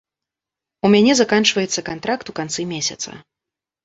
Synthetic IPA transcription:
umʲanʲɛzakant͡ʂvɐjɛt̪sːɐkant̪ɾakt̪ukant̪sɨimʲesʲɐ̰t̪sɐ̰

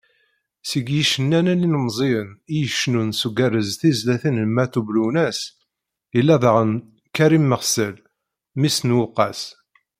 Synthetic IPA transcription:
səɡjiʃənːænælinəmzˤiənijəʃnunsuɡærːəzθizlæθinlmæθublunæs | jəlːæðˤʁən | kæɾimːəʁsəl | misnwʊqːɑs

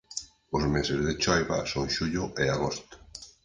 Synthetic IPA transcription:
ʊzmesɪzðɪt͡ʃɔjβa̰soŋʃuʎʊʔeaɣ̞ost̪ʊ̥

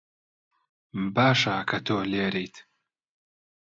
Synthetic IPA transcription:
baːʃakʰɐt̪ʰoːleːɾejt̪ʰ

